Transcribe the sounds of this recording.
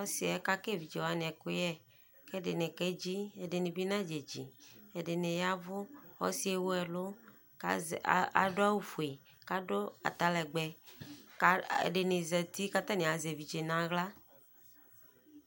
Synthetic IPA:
ɔ˦si˦ɛ˦ka˦ke˦vi˨d͡ʒe˨wa˦n˨ɛ˨ko˦jɛ˦ | ke˦ɖe˨nẽ˨ke˦d͡ʒi˦e˨ɖe˨nĩ˨bi˦nã˦d͡ʒe˨d͡ʒḭ˨e˨ɖe˨nẽ˨ja˦vʊ˦xɔ̰˦si˦e˦wo˦ɛ˨lo˦ | a̰˨ɖo˦a˦wu˦fu˨e˨ | ka˦ɖo˦a̰˨t̪a˦lɛ˨ɡ͡bɛ˨˦ | ḛ˨ɖe˨nĩ˨zɛ˨t̪i˦ka˦t̪ã˦nĩ˨a˨ze˨vi˨d͡ʒe˨nã˨ɣla˦

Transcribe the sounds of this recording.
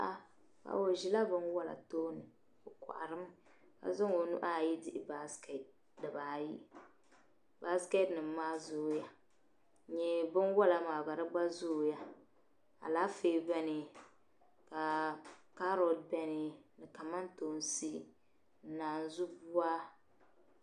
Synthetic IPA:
ʔa˦ | ka̰˨wo˨ʒi˨la˦bɨ˦nwa˦la̰˨toː˦nɨ˨ | o˨kʷa̰˨ʔa̰˨ɾɨ˦m˦ | ka̰˨zʊ˦ŋo˨nṵ˦ʔa˦˨ji˦dɪ˦ʔɪ˨ba˦skɛ˨t̚ | dɨ˨baː˨ji˦ | ba˦skɛ˦tnɨ˨mː˦aː˦zʊː˦ja˦ | ɲɛ˦bɨ˦nwa˦la˨maː˨ɡa˨ɾɨ˦ɡ͡ba˦zʊː˦˨˦ja˦ | a̰˨laː˦feː˦bɛ˦nɨ˨ | ka˨ka˦ɾo˨d̚bɛ˦nɨ˨nɨ˨ka˨ma˦n˦to˨n˦si˦ | n̩˨˦naː˨n˨zu˦bu˦a˦

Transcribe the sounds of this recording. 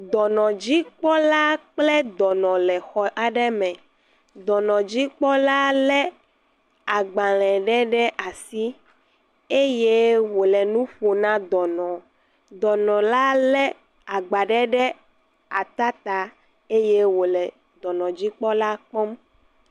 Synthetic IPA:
d̪ɔ˨nɔ̃˨d͡ʑi˦k͡pɔ˦la˦k͡plɛ˦d̪ɔ˨nɔ̃˨lɛ˨xɔ˨ʔa˨ɖɛ˦mɛ̃˨ | d̪ɔ˨nɔ̃˨d͡ʑi˦k͡pɔ˦la˦lɛ˦ | a˨ɡ͡ba˨l̃ɛ̃˨ɖɛ˦ɖɛ˦ʔa˨si˦ | e˦je˦wo˨lɛ˨nũ˦ɸo˨nã˦d̪ɔ˨nɔ̃˨ | d̪ɔ˨nɔ̃˨la˦lɛ˦ | a˨ɡ͡ba˨ɖɛ˦ɖɛ˦ | a˨t̪a˦t̪a˨ | e˦je˦wo˨lɛ˨ | d̪ɔ˨nɔ̃˨d͡ʑi˦k͡pɔ˦la˦k͡pɔ˦m

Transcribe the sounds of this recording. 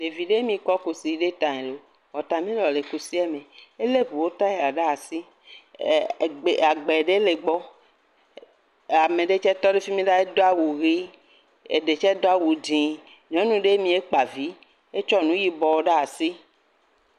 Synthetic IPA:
le˨vi˨ɖe˦mĩ˨kɔ˦ko˨si˨ɖe˦t̪ã˨ẽ˨lo˨ | wɔ˨t̪ã˨mĩ˦lɔ˨le˨ku˦si˦ɛ˦mẽ˨e˦le˦ɸu˨wo˦t̪a˦e˨a˨ɖa˦a˨si˦˨ | ɡ͡be˨a˨ɡ͡bɛ˨ɖe˦le˨ɡ͡bɔ˦ | a˨mẽ˨ɖe˦t͡ʃɛ˦t̪ɔ˦ɖe˦fi˦mĩ˦ɖa˦e˦d̪o˦a˦wu˨ɣi˦ | ḛ˨ɖe˨t͡ʃɛ˦d̪o˦a˦˨wu˨dĩ˨ | ɲɔ̃˦nũ˨ɖe˦mĩ˨e˦k͡pa˨vi˨˦ | e˦t͡ʃɔ˦nũ˦ji˦bɔ˨wo˦ɖa˦a˨si˦

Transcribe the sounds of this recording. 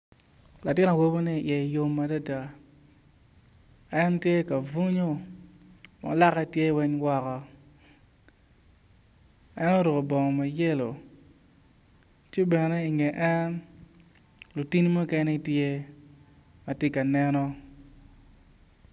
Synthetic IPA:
la˨tɪ˦na˨wo˦bo˦ni˦˨ʔjɛ˨i˨jo˦mːa˨da˦da˨ | ɛ˦ntje˦ka˨vu˦ɲo˦ | ma̰˨˦la˦kɛ˦˨tje˦wɛ˦ɲwɔ˦kɔ˦ | ɛ˦nɔ˦ɾo˨ko˨bɔ˨ŋɔ˨ma˨je˦lo̰˨ | t͡ʃɪ˦bɛ˨nɛ˦i˨ŋɛ˨ʔɛ˦n | lu˨ti˦n˦mo˦kɛ˦nɛ˦i˨tje˦ | ma˨tɪ˦ka˨nɛ˦nɔ˦

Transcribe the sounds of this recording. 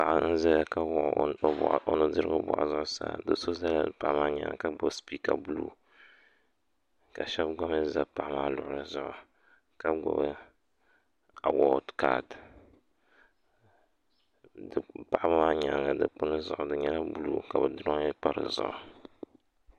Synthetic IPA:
pa˨ʔa˨˦n̩˦za˦la˦ka˦ʔʔo˦nɨ˦dɨ˦ɾɨ˦ɡo˦bʊ̰˨ʔa̰˨zʊ˦ʔʊ˦sa̰ː˨dɨ˦so˦za˦la˦ɨ˨pa˨ʔmaː˦ɲa̰˨ŋ˨ka˦ɡ͡bɔ˨bspi˦ka˨bu˦lṵ˦ | ka˨ʃɛ˦bɡ͡ba˦m˦ɛ˦za˨pa˨ʔa˦maː˦lʊ˨ʔʊ˨ɾɨ˨zʊ˦ʔʊ˨ | ka˦ɡɔ̰˨bɨ˦ | a˨wɔ˦dka˨d | dɨ˨pa˨ʔa˦bmaː˦ɲa˨ŋa˨dɨ˦k͡pʊ˦nɨ˦zʊ̰˨ʔʊ˨dɨ˨ɲɛ˦la˦bu˦luː˦ka˨bɨ˨dʊ˦ɾɲɛ˦k͡pa˦ɾɨ̰˨zʊ̰˨ʔʊ˨

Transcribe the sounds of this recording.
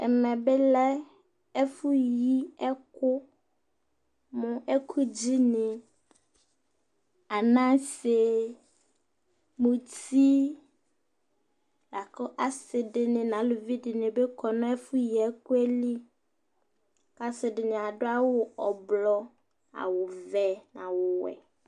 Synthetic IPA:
ɛ̰˨mɛ̃˨be˦lɛ˦ | e˦fu˦ji˦ɛ˦kʊ˦ | mʊ̃˨ʔe˦kʰu˦d͡ʑi˦nẽ˨ | a˨nã˦se˨ | mũ˨ti˦ | la˨kɔ˦ʔa˨sɪ˨dɪ˨nɪ̃˨nã˨˦lʊ˨vi˦dɪ˨nɪ̃˨be˦kʰɔ˨nʊ̃˦ɛ˦fʊ˦ji˨ɛ˦kʊ˦ɛ˦li˦ | ka˦sɪ˨dɪ˨nɪ̃˨a˨dʊ˦a˦wʊ˨ɔ˨blɔ˦ | a̰˨wʊ˨vɛ˨nã̰˨wʊ˨wɛ̰˨

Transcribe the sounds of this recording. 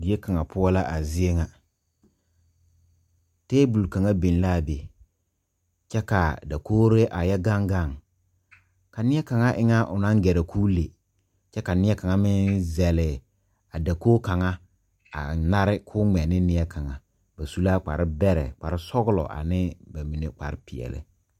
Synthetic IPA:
dɪ˨e˦ka˨ŋa˨pʰʊ˦ɔ˦la˦ʔa˨zɪ˦e˦ŋa˨ | teː˦bu˨lka˨ŋa˦be˨n˦la˦˨be˨ | t͡ʃɛ˦ka˨da˨koː˦ɾe˦ʔa˨jɛ˦ɡa˦ŋɡa˦˨ŋ | ka˨nɪ˦ɛ˦ka˨ŋa˦ʔɪ̰˦ŋa˦ʔʊ˨nã˦ŋɡɛ˨ɾa˨kʰuː˦le˨ | t͡ʃɛ˦ka˨nɪ˦ɛ˦ka˨ŋa˦mɪ˦nzɛ˨lɪ˨ | a˨da˨koː˦ka˨ŋa˦ | a̰˨na˦ɾɪ˦kʰʊː˦ŋ͡mɛ˨nɪ˦nɪ˦ɛ˦kʰa˨ŋa˨ | ba˨su˦la˦k͡pa̰˨ɾɪ˦bɛ˦ɾɛ̰˨k͡pa̰˨ɾɪ˦sɔ˦ɡʊ˦lɔ̰˨ʔa̰˨nɪ˦ba˨mi˨ne˦k͡pa̰˨ɾɪ˦pɪ˨ɛ̰˨lɪ̰˨

